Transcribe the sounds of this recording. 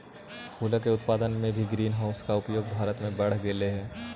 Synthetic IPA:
kʰuːləkeʊt̪̚paːd̪ənmẽbʱiɡɾiːnɦaːʊskaʊpjoːɡ̚bʱaːɾət̪mẽbɐɽ̤ɡeːleɦɛː

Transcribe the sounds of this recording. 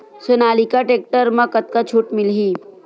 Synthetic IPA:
sonaːlikaʈek̚ʈəɾmãkət̪̚kat͡ʃʰuːʈmɪlɦi

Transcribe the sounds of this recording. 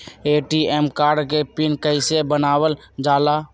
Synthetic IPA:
eːʈiemkaːɾɖkepinkəɪsebənaːwəl | d͡ʒaːla

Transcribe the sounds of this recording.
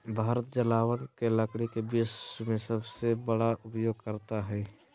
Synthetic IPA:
bʱaːɾət̪̚d͡ʒəlaːwənkeləkɽikebɪsmẽsəbsebəɽaʔʊpjoːɡ̚kəɾt̪aɦɛː

